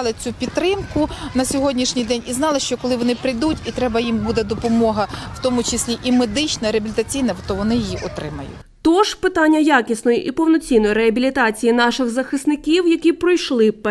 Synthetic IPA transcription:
lˠɪt͡sʲupʲit̪ːɾɪmkʊnɐsʲɔɦɔdʲnʲiʃnʲijd̪ɛnʲiznɑlˠɪʃt͡ʃɔkɔlˠɪʋɔnɪpɾɪjd̪utʲit̪ɾɛbɐjimbud̪ed̪ɔpɔmɔɦɐw̥t̪ɔmʊt͡ʃɪsʲlʲiʔimed̪ɪt͡ʃnɐɾeɐbʲilʲt̪ɐt͡sʲijnɐt̪ɔʋɔnɪjijiʔɔt̪ɾɪ̰mɐjʊ̰t̪ɔʒ̥pɪt̪ɑnʲːɐjakʲisnɔjiʔipɔwnɔt͡sʲinːɔjiɾeɐbʲilʲit̪ɑt͡sʲijinɑʃɪɣzɐxɪsnɪkʲiwjɐkʲipɾɔjʃlˠɪp

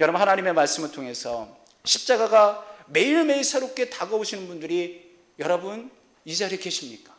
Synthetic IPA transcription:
jʌɾʌbnhanaɲime̞maɭs͈ɯmɯɭtʰoŋe̞sʰʌ | ɕʰip̚t͡ɕ͈aɡaɡame̞iɾme̞iɭsʰeɾok͈e̞taɡʌoɕʰinɯnbundɯɾi | jʌɾʌbun | isʰaaɾekeɕʰimɲik͈ḁ

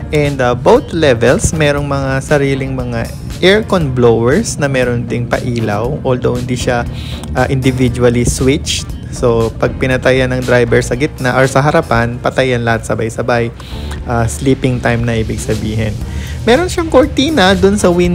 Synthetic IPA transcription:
ʔɛnd̪ɐbowt̪lɛvɛlsmɛːɾo̞ŋmɐŋasɐɾiːlɪŋmɐŋa | ʔɛɹkonblowɛɹsnɐmɛːɾond̪ɪŋpɐ̰ʔiːlɐwʔold̪owhɪnd̪iʃa | ʔaʔɪnd̪ɪvɪd͡ʒuɐliswɪt͡ʃt̪̚ | sopɐɡ̚pɪnɐt̪ɐjɐnɐŋd̪ɾajbɛɹsɐɡɪt̪̚naʔoɹsɐɦɐɾɐpanpɐt̪ajɐnlɐhat̪̚sɐbajsɐbaj | ʔasliːpɪŋt̪ajmnɐʔiːbɪɡsɐbiːɦɪnmɛːɾo̞nʃaŋkoɹt̪iːnɐd̪ʊnsɐwin

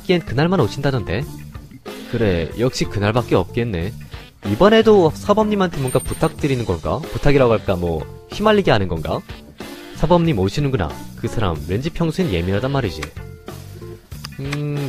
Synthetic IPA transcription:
k͈ienkɯnaɭmanot͡ɕʰindadʌnde̞ | kɯɾe̞jʌk̚ɕ͈ikɯnaɭbak͈eʌp̚k͈e̞nːe̞ | ibʌne̞dosʰabʌmɲimantʰemwʌnɡaputʰak̚t͈ɯɾinɯnɡʌnɡa̰putʰaɡiɾaɡoɦaɭk͈amwʌ̰çimaʎːiɡeanɯnɡʌnɡa̰ | sʰabʌmɲimoɕʰinɯnɡuna̰kɯsʰaɾa̰mɾend͡ʑipʰjʌŋsʰuinje̞miɾadanmaɾid͡ʑḭ | ɯ

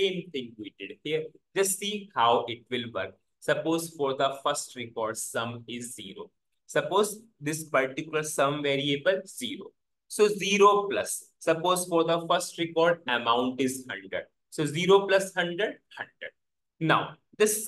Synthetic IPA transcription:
ẽːmt̪ʰɪ̃ŋɡʋiːɖɪɖhiəɾd͡ʒɐsʈsiːhaʊʔɪʈ̚ʋɪlʋəɾk̚ | sɐpoːzfɔːɾd̪əfəɾsʈɾɪkɔːɾɖsɐ̃mɪzːḭːɾo̰ː | sɐpoːz | d̪ɪspɐɾʈɪkjʊləɾsɐ̃mʋeːɾiebəlziːɾo̰ː | soːziːɾoːplɐsː | ɐpoːzfɔːɾd̪əfəɾsʈɾɪkɔːɾɖəmãʊ̃ɳʈɪzhɐ̰̃ɳɖɾə̰ɖ̚ | soːziːɾoplɐshɐ̃ɳɖɾəɖ̚hɐ̃ɳɖɾə̰ɖ̚ | naʊ | d̪ɪs

